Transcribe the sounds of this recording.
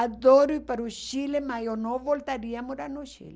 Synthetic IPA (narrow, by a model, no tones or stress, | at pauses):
ad̪oɾujpɐɾuʃilemajonoʋolt̪aɾiamuɾanuʃḭle